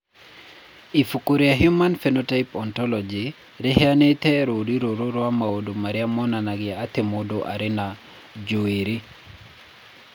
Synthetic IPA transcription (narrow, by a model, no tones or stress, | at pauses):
ifukuɾiaɦjomanfenotaipɔntɔlɔd͡ʒi | ɾɪhɛanet̪ɛɾodiɾoɾoɾwamaodomaɾjamɔnanaɡɪat̪emodoʔa̰ɾɪna | d͡ʒoeɾi